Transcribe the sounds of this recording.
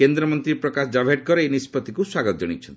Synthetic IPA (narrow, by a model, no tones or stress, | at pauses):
kend̪ɾɔmɔnt̪ɾiɾpɾɔkasd͡ʒabʱeʈ̚kɔɾeejnispɔt̪ːikuswaɡɔt̪ɔd͡ʒɔɽ̃ḭt͡ʃʰɔnt̪i